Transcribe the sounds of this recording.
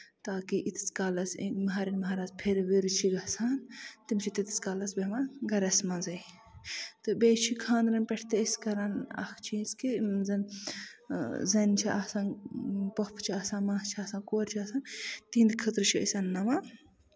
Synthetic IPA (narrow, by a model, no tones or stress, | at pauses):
t̪aːkiʔit̪t͡skaːlɐsḛmɐɦaːɾinmɐɦaːɾaːzpʰeɾʋeɾt͡ʃʰiɡɐsaːnt̪imt͡ʃʰit̪it̪i̥skaːlɐsbemaɡɐɾɐsmazɐj | t̪ɨbeːt͡ʃʰikʰãːnɾɐnpeʈʰt̪eiskɐɾanɐ̰kʰt͡ʃʰiskizɐn | zɐnt͡ʃʰiʔasanpɐpʰt͡ʃʰiaːsãːnmaːht͡ʃʰiaːsãːkoːɾt͡ʃʰiɐsant̪iːnd̪kʰət̪ɾt͡ʃʰiɐ̰sɐnːɐma